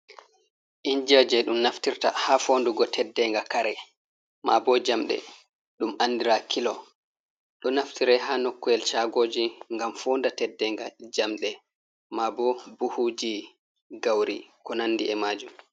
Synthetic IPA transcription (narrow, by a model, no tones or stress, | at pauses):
ʔind͡ʒad͡ʒɛɗumnaftiɾta̰hafoːnduɡɔtʰɛdːɛŋɡakaɾɛ | mabɔd͡ʒamɗɛ̰ | ɗumʔandiɾakʰilɔ | ɗɔnaftiɾɛɦanɔkːɔɛlt͡ʃaɡoːd͡ʒiŋɡamfondatɛdːɛŋɡad͡ʒamɗɛ | mabɔbuhud͡ʒi | ɡawɾikɔnanːdiɛmaːd͡ʒum